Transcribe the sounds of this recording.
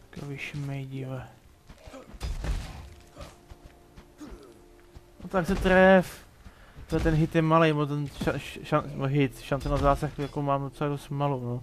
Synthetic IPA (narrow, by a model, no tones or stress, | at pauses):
koviʃmɛjɟɪvɛ | not̪aksɛt̪ɾɛf | t̪ɛɛt̪ɛnɦɪt̪jɛmalejmot̪ɛnʃaanmoɦɪt̪ʃant̪onazaːsaxjakomaːmdot͡sɛladost̪malono